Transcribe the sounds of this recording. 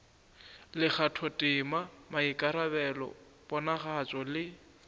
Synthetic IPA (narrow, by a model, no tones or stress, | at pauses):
lɪk͡xatʰɔtʼɪmamaikʼaɾabɛlɔ̰ | bɔnaχat͡ʃʼɔlɪ